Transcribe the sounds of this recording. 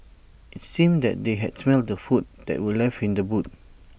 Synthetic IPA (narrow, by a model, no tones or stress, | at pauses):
ʔɪt̚sĩmdɛ̰t̚deɦɛ̰dsmɛldəfut̚d̥ɛ̰ʔ̚wəlɛfĩndəbut̚